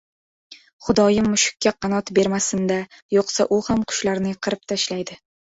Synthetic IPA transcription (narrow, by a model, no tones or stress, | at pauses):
χʊd̪ɒjɪmːʊʃʊ̥kʲːaqʰɑnɒt̪be̞ɾmasɪnd̪a | joqsaʔʊhamqʰʊ̥ʃlaɾnɪjqʰɨɾɪp̚t̪ʰaʃlajd̪ɪ